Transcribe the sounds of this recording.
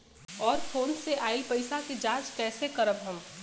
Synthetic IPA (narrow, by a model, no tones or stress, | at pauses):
ɔːɾfʰoːnseʔaːɪlpəɪsaked͡ʒãːt͡ʃkɛːsekəɾəbɦəm